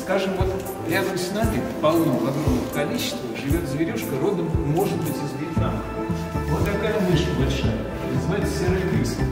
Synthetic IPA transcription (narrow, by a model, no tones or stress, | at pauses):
skaʐɨmvo̞t̪ | ɾʲad̪əmsʲnamʲɪpɐlˠnovɐɡɾomnəjəkɐlʲit͡ɕːɪ̥st̪vəʐɨvʲo̞t̪zvʲɪɾʲuʂkəɾo̞d̪əmːo̞ʐɨt̪̚bɨtʲzəzbʲit̪ʲna | vot̪ːɐkajəmʲɨʂkəbɐlʲʂajə | pʲnznajɪt̪ʲɪsʲɪɾəɪkɾʲisʲə